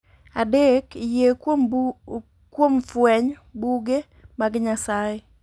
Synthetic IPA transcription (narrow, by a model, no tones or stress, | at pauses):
adekje | kwomfwɛɲ | buɡe | maɡɪɲasaje